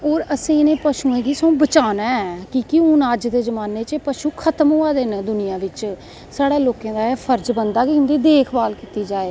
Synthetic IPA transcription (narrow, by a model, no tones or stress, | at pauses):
oːɾəsẽːɪnẽːpəʃũːẽːɡiːsõːbət͡ʃaːnaɛkɪkiʊ̃naːd͡ʒd̪eːzəmaːneːt͡ʃpəʃuːkʰət̪əmɦoːaːd̪end̪ʊnɪjãːʋɪt͡ʃ | saːɽaːloːkẽːd̪aːpʰəɾd͡ʒbənd̪aːkiʊ̃nd̪iːd̪eːkʰbaːlkiːt̪iːd͡ʒaːeː